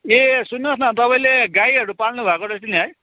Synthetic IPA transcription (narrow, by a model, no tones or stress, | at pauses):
esunːʌsnʌt̪ʌpaĩleɡajʌɾupalnubʱakod̪ʌst̪iniɦʌj